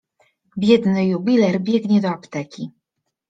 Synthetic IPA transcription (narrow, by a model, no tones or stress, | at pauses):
bʲjɛd̪nɘjubʲilɛɾbʲjɛɡɲɛd̪ɔapt̪ɛkʲi